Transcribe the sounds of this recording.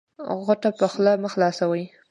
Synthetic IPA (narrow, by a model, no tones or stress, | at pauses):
ɣaʈapəxlaməxlɑsawəj